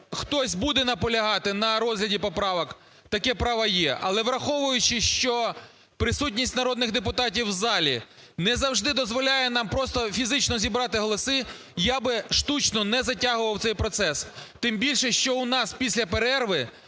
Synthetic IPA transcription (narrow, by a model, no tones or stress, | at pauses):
xt̪ɔsʲbud̪ɛnɐpɔlʲɐɦɑt̪ɪnɐɾɔzɦlʲɐdʲipɔpɾɑʋɐk | t̪ɐkɛpɾɑʋɐjɛʔɐ̰lˠɛʋɾɐxɔʋʊjʊt͡ʃɪʃt͡ʃɔ | pɾɪsutʲnʲisʲtʲnɐɾɔd̪nɪɣd̪epʊt̪ɑt̬ʲiwzɑlʲḭ | nɛzɐwʒd̪ɪd̪ɔzʋɔlʲajɛnɑmpɾɔst̪ɔfʲizɪt͡ʃnɔzʲibɾɑt̪ɪɦɔlˠɔsɪ | jabɪʃt̪ut͡ʃnɔnɛzɐtʲaɦʊʋɐwt̪sɛjpɾɔt̪sɛst̪ɪmbʲilʲʃɛʃt͡ʃɔʊnɑspʲisʲlʲɐpeɾɛrʋɪ